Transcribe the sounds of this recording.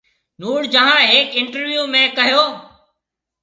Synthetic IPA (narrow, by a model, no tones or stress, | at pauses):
nuːɽd͡ʒəɦãːɦeːkɪɳʈəɾʋjuːmẽːkəɦjoː